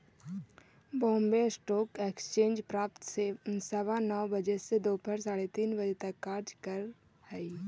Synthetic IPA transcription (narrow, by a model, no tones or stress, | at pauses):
bõːmbesʈoːkekst͡ʃẽːnd͡ʒpɾaːpt̪sensəʋanɔʋbəd͡ʒesed̪oːpʰəɾsaːɽet̪iːnbəd͡ʒet̪ɐkːaːɾd͡ʒkəɾ | həi